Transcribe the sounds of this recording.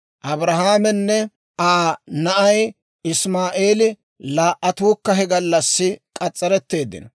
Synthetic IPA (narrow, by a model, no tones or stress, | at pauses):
ʔɐbɾɐɦaːmɛnːɛ | aːnɐʔɐj | ɪsmaːʔe̞ːlɪ | laːʔːɐt̪uːkːɐɦɛɡɐlːɐsːɪkʼɐt͡sʼːɐɾɛt̪ːe̞ːd̪ːɪ̰nɐ